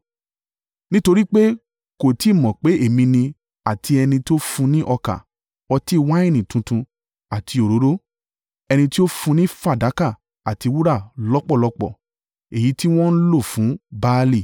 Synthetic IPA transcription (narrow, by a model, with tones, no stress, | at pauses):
nĩ˦to˧ɾi˦k͡pe˦ | ko˨ti˨˦˨mɔ̃˨k͡pe˨˦e˦˨mĩ˧nĩ˧ | a˨ti˧ɛ˧nĩ˧to˦fũ˧nĩ˦ʔɔ˧ka̰˨ | ɔ˧ti˦˨˧wa˦ĩ˦˨nĩ˨tũ˧tũ˧ | a˨tʰi˧o˨ɾo˨˦ɾo˦ | ɛ˧nĩ˧ti˦o˦fũ˧nĩ˦fa˦˨da˨˦ka˦˨ | a˨ti˧wu˦ɾa˦˨lɔ˦k͡pɔ˦˨lɔ˧k͡pɔ̰˦˨ | e˨ji˨˦ti˦w̃ɔ̃˦n̩˦lo˦˨fũ˨˦baː˦˧li˦˨